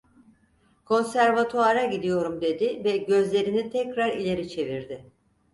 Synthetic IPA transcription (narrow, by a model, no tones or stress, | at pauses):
kʰo̞nsæɾvat̪ʰuaɾaɟid̪ijo̞ɾumd̪e̞d̪ɪvɛɟø̞zlʲe̞ɾinit̪ʰɛcɾaɾilʲe̞ɾit͡ʃʰe̞viɾd̪ɪ